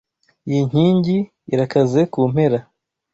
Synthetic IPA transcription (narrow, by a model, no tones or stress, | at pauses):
ijiɲ̥iːɲɟiː | ɾakaze̞kuːm̥e̞ɾa